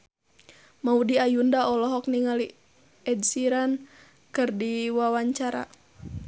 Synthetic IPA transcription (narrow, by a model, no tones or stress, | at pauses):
maudiajundaʔɔlɔɦɔk̚niŋali | ɛdsiɾan | kɨrdiwawaɲt͡ʃaɾa̰